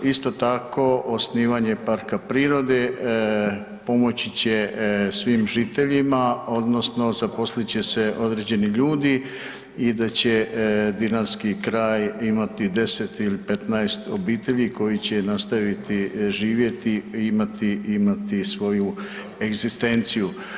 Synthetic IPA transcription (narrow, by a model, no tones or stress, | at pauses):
ist̪o̞t̪ako̞ʔosniːʋaɲe̞paɾkapɾiːɾo̞d̪e̞ | po̞mo̞t͡ɕit͡ɕe̞sʋiːmʒiːt̪e̞ʎimao̞d̪no̞sno̞zapo̞slit͡ɕe̞se̞ʔo̞d̪ɾe̞ːd͡ʑe̞niʎuːd̪i | id̪at͡ɕe̞d̪inaɾskikɾaːjimat̪id̪e̞set̪ilipe̞t̪naest̪o̞biːt̪e̞ʎiko̞jit͡ɕe̞nast̪aʋit̪iʒiːʋje̞t̪iimat̪iimat̪isʋo̞ju | e̞ɡzist̪e̞nt̪siju